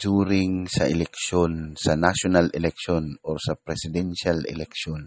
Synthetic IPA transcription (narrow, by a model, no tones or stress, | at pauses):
d͡ʒuːɾɪŋsɐʔɛlɛk̚ʃonsɐnaʃonalɛlɛk̚ʃonʔoɾsɐpɾɛsɪd̪ɛnʃalɛ̰lɛkʃon